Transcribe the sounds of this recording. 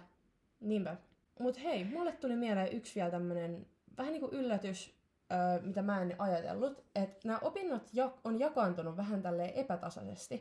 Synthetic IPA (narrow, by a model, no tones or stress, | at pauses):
niːmpæ | mut̪heimulːet̪t̪ulimieleːʔyksʋiɛlt̪æmːønen | ʋæhæniːkuʔylːæt̪ys | øːmit̪æmæenʔɑjɑt̪ḛlːut̪et̪næːʔopinːot̪jɑkonjɑkɑːnt̪unuʋʋæɦænt̪ælːeːʔe̞pæt̪ɑsɑ̰sḛst̪i